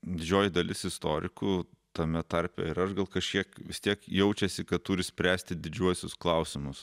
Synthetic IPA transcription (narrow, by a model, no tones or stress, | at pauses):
d̪ʲɪd͡ʒʲoːjɪd̪ɐlʲɪsɪst̪oːɾʲɪkuːt̪ɐmʲɛt̪ɐɾʲpʲɛ̰ɪɾɐʃɡɐlˠkɐʃʲkʲiɛkʋʲɪst̪ʲiɛkjɛʊt͡ʃʲɛsʲɪkɐt̪t̪uːɾʲɪsʲpʲɾʲæːsʲt̪ʲɪd̪ʲɪd͡ʒʲuɔsʲʊsklˠɐʊsʲɪmʊs